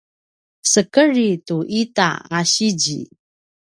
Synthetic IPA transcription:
səkəɾituʔita̰aɕid͡ʑḭ

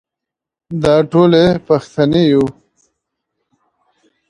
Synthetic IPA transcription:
d̪ɑːʈolepɐxt̪aneju

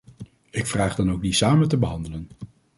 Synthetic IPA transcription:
ɪkfraːχdɑnowk̚disaːməntəbəɦɑndələn

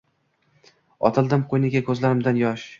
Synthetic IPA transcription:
ɒ̰t̪ʰɪlˠd̪ɪmqʰojnɪɡʲakʲʰɵzlaɾɪmd̪anjɒʃ

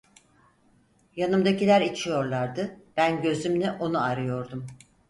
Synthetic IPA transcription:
janɯmd̪acilʲæɾit͡ʃʰijo̞ɾlˠaɾd̪ɯb̥ænɟø̞zymlʲɛʔo̞nuaɾɯjo̞ɾd̪um

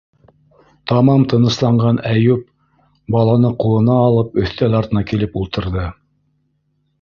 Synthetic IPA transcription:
t̪ɑmɑmt̪ɤ̆nɤ̆slˠɑɴɢɑnæjup̚ | bɑlˠɑnɤqulˠɤ̆nɑːlˠɤpɵ̆θt̪ælɑɾt̪ɤ̆nɑkilɘpulˠt̪ɤ̆ɾðɤ

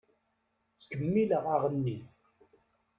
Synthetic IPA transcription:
t͡skəmːiləʁaʁənːi

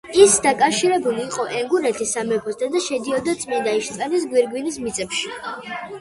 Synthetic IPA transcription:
isd̪akʼafʃiɾɛbuliːqʼɔʔɛŋɡunɛt̪ʰisːamɛpʰɔsd̪ad̪aʃɛd̪iɔd̪at̪sʼmɛnd̪aiʃt̪sʼɛnis̬ɡwiɾɡwinismit̪sʼɛpʃi̥

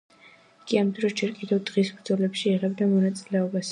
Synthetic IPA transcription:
ikʼiamd̪ɾɔsd͡ʒɛɾkʼid̪ɛvd̪ʁisbɾd̪zɔlɛpʃiːʁɛbd̪amɔnat̪sʼilɛɔbas

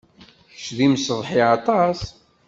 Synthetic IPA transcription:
t͡ʃːðimsəðˤħiɑt̪ˤɑs

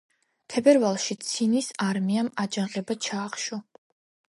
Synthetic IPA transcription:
t̪ʰɛbɛɾvalˠʃit̪sʰinisaɾmiamad͡ʒanqʼɛbat͡ʃʰaːχʃu

